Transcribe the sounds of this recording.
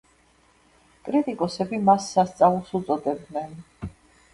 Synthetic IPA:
kʼɾit̪ʼikʼɔsɛbimasːast̪sʼaulˠsut̪sʼɔd̪ɛb̚d̪nɛn

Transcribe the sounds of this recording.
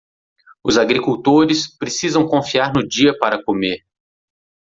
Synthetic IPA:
ʊzaɡɾikuwt̪oɾɪspɾesizɐ̃w̃kõfiaɾnʊd͡ʒiɐpaɾɐkomeɾ

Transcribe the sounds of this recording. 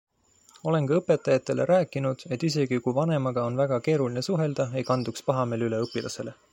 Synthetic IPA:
o̞le̞ŋkɑɤpːˑe̞t̪ːˑɑjɑt̪ːˑe̞le̞̰ɾæːkːˑinud̪̥e̞t̪ːˑise̞ɡ̥ikujvɑne̞mɑɡ̥ɑo̞nvæɡ̥ɑke̞ːɾuline̞suɦe̞ld̪̥ɑe̞jkɑnd̪ukspɑɦɑme̞ːlyle̞ɤpːilʔɑ̰se̞le̞

